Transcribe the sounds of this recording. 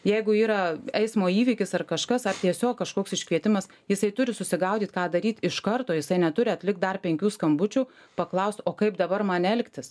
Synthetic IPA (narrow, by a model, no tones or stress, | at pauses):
jɛɪɡʊiːɾɐɛɪsmoːiːʋʲiːkʲɪsɐrkɐʃkɐsɐrt̪ʲiɛsʲoːkkɐʃkoːksɪʃʲkʋʲiɛt̪ʲɪmɐs | jɪsɐɪt̪ʊɾʲɪsʊsʲɪɡɐʊd̪ʲiːt̪kɑːd̪ɐɾʲiːt̪ɪʃkɐrt̪oːjɪsɐɪnʲɛt̪ʊɾʲɪɐt̪ʲlʲɪkt̪d̪ɐrpʲɛŋʲkʲuːskɐmbʊt͡ʃʲuː | pɐklˠɐʊsʲt̪oːkɐɪpd̪ɐbɐrmɐnʲɛlʲkt̪ʲɪs